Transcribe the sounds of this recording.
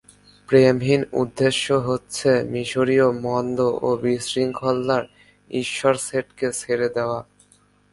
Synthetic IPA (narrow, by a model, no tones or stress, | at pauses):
pɾemɦinṵd̪ːeʃːoɦotːɕʰemiʃoɾiomɔnd̪oʔobisɾiŋkʰɔlːaɾ | iʃːoɾseʈkeseɾed̪eoa